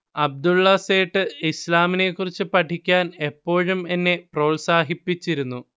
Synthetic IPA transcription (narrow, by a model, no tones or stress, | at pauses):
ɐb̚d̪ulːɐse̞ːʈːɨislaːmine̞kːurit͡ɕːɨpɐʈʰikʲːaːne̞pːo̞ːɻume̞nːe̞pro̞ːlsaːɦipːit͡ɕːiɾunːu